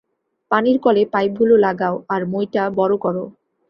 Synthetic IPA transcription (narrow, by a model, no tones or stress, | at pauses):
paniɾkɔlepajb̚ɡʱulolaɡaoaɾmojʈabɔɾokɔɾo